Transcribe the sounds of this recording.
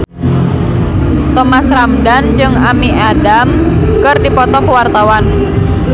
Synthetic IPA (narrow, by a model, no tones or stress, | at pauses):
t̪ɔmasɾamdand͡ʒɨŋamiʔadam | kɨrdipɔt̪ɔkwart̪awan